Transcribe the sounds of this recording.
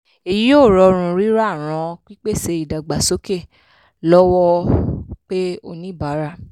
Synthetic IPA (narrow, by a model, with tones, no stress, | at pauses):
e˨ji˨˦o˦˨ɾɔ˨˧ɾ̃ũ˧ɾi˦ɾa˦˨ɾ̃ɔ̃˧˦k͡pi˦k͡pe˦˨se˧i˨da˨ɡ͡ba˨so˨˦ke˦˨ | lɔ˦wɔ˦ | k͡pe˦o˧nĩ˦˨ba˨˦ɾa˦˨